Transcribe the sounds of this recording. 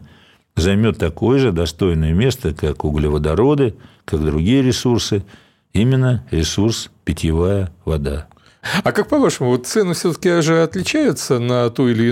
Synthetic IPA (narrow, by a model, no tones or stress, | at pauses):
zɐjmʲo̞t̪ːɐko̞jəʐɨd̪ɐst̪o̞jnəjəmʲe̞st̪əkakʊɡlʲɪvəd̪ɐɾo̞d̪ɨ | kakd̪ɾʊɡʲijəɾʲɪsursɨ | imʲɪnːəɾʲɪsurspʲɪtʲɪvajəvɐd̪a | ɐkak̚pɐvaʂəmʊvot̪t̪sɛnɨfsʲɵt̪ə̥kʲɪd̪aʐɨɐt̪lʲɪt͡ɕæjɪt̪sənɐt̪uɪlʲɪː